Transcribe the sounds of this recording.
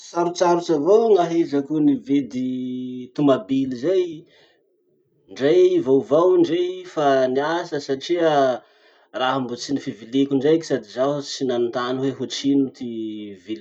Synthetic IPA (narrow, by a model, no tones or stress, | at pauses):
saɾut͡saɾut͡savowŋaɦezakunived̪it̪umabilizej | ɳɖ͡ʐejivowvawɳɖ͡ʐejfaniasəsaʈ͡ʂiə | raɦambut͡sinifivilikʲuɳɖ͡ʐejki̥sad̪izat͡sinanit̪anuweɦut͡sinut̪ivil